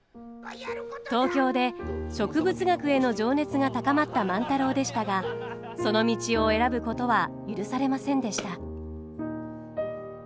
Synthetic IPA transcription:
t̪o̞ːkʲo̞ːd̪e̞ɕo̞kɯ̟bɯ̟t͡sɨɡakɯ̟e̞no̞ʑo̞ːne̞t͡sɨɡat̪akamat̪ːamãnt̪aɾo̞ːd̪e̞ɕi̥t̪aɡa | so̞no̞mʲit͡ɕio̞e̞ɾabɯ̟ko̞t̪o̞βajɯɾɯ̟saɾe̞masẽ̞nd̪e̞ɕi̥t̪a

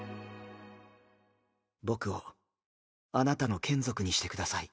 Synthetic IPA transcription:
bo̞kɯ̟o̞ | anat̪ano̞kʰẽ̞nzo̞kɯ̟ɲ̟iɕi̥t̪e̞kɯ̟d̪asai

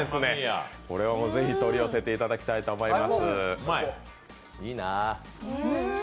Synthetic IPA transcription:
esɨneko̞ɾe̞βamo̞ːze̞çit̪o̞ɾʲio̞se̞t̪e̞it̪ad̪akʲi̥t̪ait̪oːmo̞imasɨ | iːna

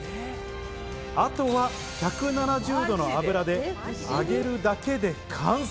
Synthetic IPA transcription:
at̪o̞βa | çʲakɯ̟nanaʑɨːd̪o̞no̞abɯ̟ɾad̪e̞a̰ɡe̞ɾɯ̟d̪ake̞d̪e̞kʰãɰ̃

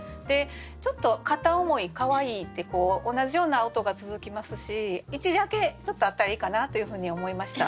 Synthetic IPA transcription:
d̪̥e̞ | t͡ɕo̞t̪ːo̞kat̪ao̞mo̞ikaβaiːt̪ːe̞ko̞ːonaʑijo̞ːnaːot̪o̞ɡat͡sɨzɨkʲimasɨɕiit͡ɕid̪ake̞t͡ɕo̞t̪ːo̞at̪ːaɾaiːkanat̪o̞jɯ̟ɸɯ̟ːɲ̟io̞mo̞imaɕi̥t̪a

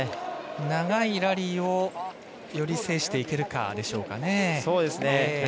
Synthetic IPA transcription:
naɡaiɾaɾʲiːo̞ | jo̞ɾʲise̞ːɕi̥t̪e̞ike̞ɾɯ̟ka̰d̪e̞ɕo̞ːka̰ne̞so̞ːd̪e̞sɨne

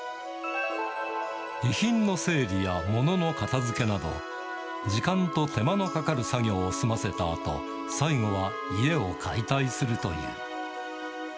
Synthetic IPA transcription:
içĩnːo̞se̞ːɾʲijamo̞no̞no̞kat̪azɨke̞nad̪o̞̰ | d͡ʑikãnt̪o̞t̪e̞mano̞kakaɾɯ̟saɡʲo̞ːsɨmase̞t̪aːt̪o̞̰ | saiɡo̞βa | ie̞o̞kʰait̪aisɨɾɯ̟t̪o̞̰jɯ̰ː

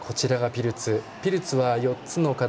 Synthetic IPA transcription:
kʰo̞t͡ɕiɾaɡapʲiɾɯ̟t͡sɨ | pʲiɾɯ̟t͡sɨβajo̞t̪t͡sɨno̞ka

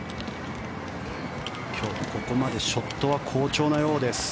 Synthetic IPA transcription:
kʲʰo̞ːko̞ko̞mad̪e̞ɕo̞t̪ːo̞β̞akʰo̞ːt͡ɕo̞ːnajo̞ːd̪e̞sɨ̥

